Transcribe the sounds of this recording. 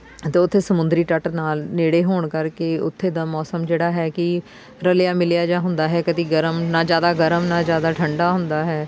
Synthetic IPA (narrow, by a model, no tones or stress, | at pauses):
t̪eːʊt̪ʰːeːsəmʊnd̪ɾiːʈəʈnaːlneːɽeːɦoːɳkəɾkeːʊt̪ʰːeːd̪aːmɔːsəmd͡ʒeːɽaːɦɛːkɪ | ɾəljaːmɪlɪjaːd͡ʒãːɦʊnd̪aːɦɛːkəd̪iːɡəɾəmnãːd͡ʒjaːd̪aːɡəɾəmnãːd͡ʒjaːd̪aːʈʰəɳɖaːɦʊnd̪aːɦɛː